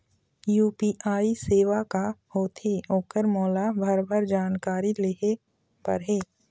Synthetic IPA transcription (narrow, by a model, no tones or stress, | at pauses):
juːpiːʔaːiseːʋakahoːt̪eːoːkəɾmɔːlabʱəɾbʱəɾd͡ʒaːnkaːɾileːɦe | pɐ̰ɾɦeː